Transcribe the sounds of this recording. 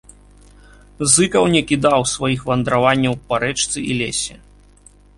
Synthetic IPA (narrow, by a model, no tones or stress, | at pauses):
zɨkɐwnʲɛkʲid̪awsvajixvɐnd̪ɾavanʲːɐwpaɾɛt͡ʂt̪sɨʔilʲɛsʲɛ̰